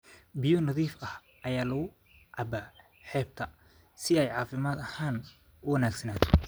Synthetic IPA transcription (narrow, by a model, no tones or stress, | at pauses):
bɪjɔnɐðiːfɐh | ʔɐjaːlɐɣʊ | ʕɑbaː | ħɛːb̚t̪ʰɐ | sɪɛjʕɑːfɪmaːd̪ɐhaːn | ʊwɐnaːɡsɐnaːt̪ʰɔ̥